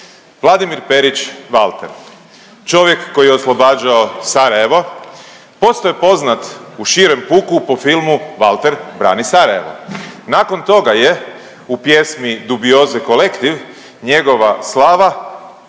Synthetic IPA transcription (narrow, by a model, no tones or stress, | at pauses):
ʋlˠad̪imiɾpeɾit͡ʃʋalˠt̪ḛɾ | t͡ʃo̞ʋje̞kːo̞jijeoslˠo̞baːd͡ʒaosaɾaje̞ʋo̞ | po̞st̪ojepo̞znat̪uʃiɾe̞mpuːkupo̞filˠmuʋalˠt̪eɾbɾa̰ːnisaɾaje̞̰ʋo̞̰naːko̞nt̪o̞ɡaje̞ | upje̞smid̪ubio̞zɛko̞lekt̪iʋ | ɲe̞ɡo̞ʋaslˠaːʋa